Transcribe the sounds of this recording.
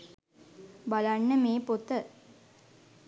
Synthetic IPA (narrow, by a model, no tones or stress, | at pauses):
balanːəmeːpot̪ə